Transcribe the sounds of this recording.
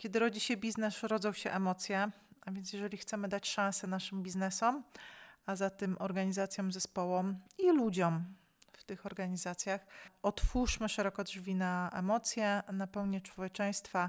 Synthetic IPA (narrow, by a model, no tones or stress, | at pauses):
kʲjɛd̪ɘɾɔd͡ʑiɕɛbʲiznɛsɾɔd̪zɔ̃w̃ɕɛʔɛmɔt̪sʲjɛ | avʲjɛnt̪̬ʲjɛʐɛlʲixt̪sɛmɘd̪at͡ɕʂãñsɛnaʂɘmbʲiznɛsɔmazat̪ɛmʔɔɾɡaɲizat̪sʲjɔ̃wmzɛspɔwɔmilud͡ʑɔm | ft̪ɘxɔɾɡaɲizat̪sʲjaxɔt̪fuʂmɘʂɛɾɔkɔdʐvʲinaɛ̰mɔt̪sʲjɛnapɛwɲɛt͡ʂwɔvʲjɛt͡ʂɛj̃st̪fa